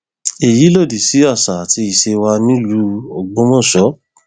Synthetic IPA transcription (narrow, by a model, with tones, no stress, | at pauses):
e˨ji˨˦lo˦˨di˨si˨˦a˦˨sa˨a˨ti˧i˨ʃe˧wa˧nĩ˦lu˧o˨ɡ͡bõ˦mɔ̃˦˨sʃɔ˨˦